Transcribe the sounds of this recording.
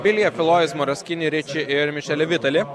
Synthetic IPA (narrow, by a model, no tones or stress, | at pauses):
bʲɪlʲjɛfʲɪlˠoːɪsmɔɾɐsʲkʲɪnʲiɾʲɪt͡ʃʲɪʔɪɾmʲɪʃʲɛlʲɛʋʲɪt̪ɐlʲɪ